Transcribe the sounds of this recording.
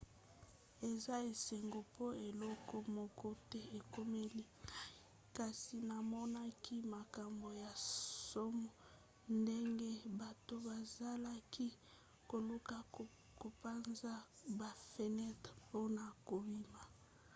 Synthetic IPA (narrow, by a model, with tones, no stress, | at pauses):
e˨za˦e˨se˨ŋɡo˨po˦e˨lɔ˦kɔ˦mo˨ko˦te˦e˨ko˦me˦li˦ | ka˨si˨na˨mɔ˦na˦kʰi˦ma˨ka˨mbo˨ja˨so˦mɔ˨ | nde˦ŋɡe˦ba˨to˦ba˨za˦la˦ki˦ | ko˨lo˦ka˦ | ko˨pa˦nza˦ba˨fe˨nɛ˦tpo˦na˨ko˨bi˦ma˨